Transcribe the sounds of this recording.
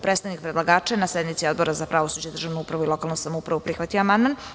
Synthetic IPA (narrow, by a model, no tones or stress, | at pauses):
pɾet̪st̪aʋnikpɾed̪lˠaɡaːt͡ʃenased̪mit̪sio̞d̪bo̞ɾazapɾaʋosud͡ʑed̪r̩ʒaʋnuupɾaʋuilo̞kalˠnusamoupɾaʋupɾixʋat̪ijoamand̪man